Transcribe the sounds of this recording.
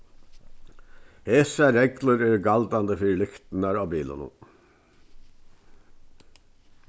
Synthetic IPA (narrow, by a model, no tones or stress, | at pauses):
heːsæɾɛɡləɾøːɡɑld̪ɑnd̪əfʏɹlʏkt̪n̩ɑɾoːbiːlə̰nʊ̰